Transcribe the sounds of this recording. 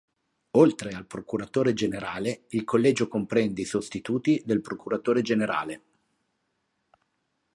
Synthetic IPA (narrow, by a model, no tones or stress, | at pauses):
olt̪ɾealpɾokuɾat̪oːɾed͡ʒeneɾaːleilkolːɛːd͡ʒokompɾɛnd̪eisost̪it̪uːt̪id̪elpɾokuɾat̪oːɾed͡ʒeneɾa̰ːle